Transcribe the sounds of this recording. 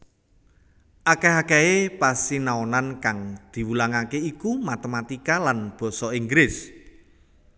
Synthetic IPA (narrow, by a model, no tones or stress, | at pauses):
ʔakeɦakɛepasinaonankaŋd̪̥i̤wulaŋakeikumat̪emat̪ikalanb̥ɔ̤sɔiŋɡɾɪs